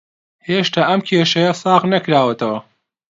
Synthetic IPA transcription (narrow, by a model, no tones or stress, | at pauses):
heːʃt̪ʰaːʔɐmkʲʰeːʃɐjɐsɑːχnɐkɾaːwɐt̪ʰɐwɐ